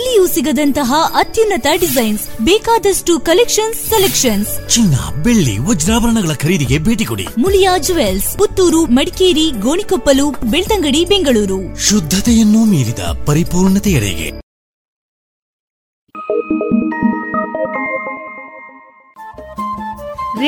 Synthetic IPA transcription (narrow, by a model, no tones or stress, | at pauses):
lːijusiɡɐd̪ɐnt̪ɐɦɐʔɐt̪junːɐt̪ɐɖizɐjnsbɛːkaːd̪ɐsʈukɐlekʂɐnsːelekʂɐnst͡ʃinːɐ̰beɭːḭɦɔd͡ʒɾaːʋɐɾɐɳɐɡɐɭɐkʰɐɾiːd̪iɡe̞bʱe̞ːʈikoɽḭmuljaːd͡ʒuʋelsput̪ːuːɾumɐɽikeːɾiɡoːɳikopːɐlupbeɭt̪ɐŋɡɐɽibeŋɡɐɭuːɾuʃud̪ʱːɐt̪ɛjɐnːumiːɾid̪ɐ̰pɐɾipuːɾɳɐt̪ɛɐɭɛ̰ɡe̞̰